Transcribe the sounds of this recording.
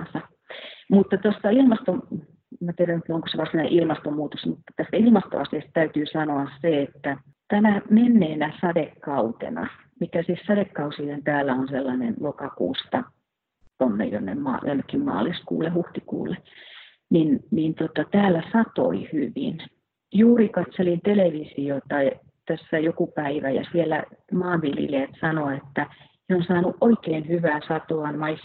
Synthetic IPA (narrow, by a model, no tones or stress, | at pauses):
nsɑ | mut̪ːɑt̪osːɑilmɑst̪o | mæt̪ieɾænyt̪oŋko̥seʋɑsineʔilmɑst̪omuːt̪osmut̪ːɑ̥t̪æst̪ilmɑst̪o̰ɑsiɑst̪t̪æyt̪yːsɑnoɑsseet̪ːæ | t̪ænæmenːeːnæsɑdekːɑut̪ḛnɑ̰ | mikæsihsɑdekːɑusilent̪æːlːæonselːɑnenlokɑkṵːst̪ɑ | t̪onːḛjo̰nːḛmmɑ̰ːjo̰nːekːimmɑ̰ːliskṵːlːˑehuht̪ikṵːlːˑe | ninnint̪ot̪ɑt̪æːlːæsɑt̪o̰ihyʋḭn | juːrikɑt̪selint̪eleʋisiot̪ɑi | t̪æsːæjokupæiʋæjɑ̰sielːˑæ̰mɑːʋʋilḭleːt̪sɑnoet̪ːæ | neonsɑːnuʔʔoikeːnhyʋæːsɑt̪oɑnmɑis